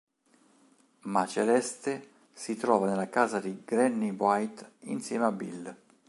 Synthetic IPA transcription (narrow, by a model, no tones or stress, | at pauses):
mat͡ʃelɛst̪e | sit̪ɾɔːvanelːakaːzad̪iɡɾɛnːibwajt̪ḭnsjɛːmeabːil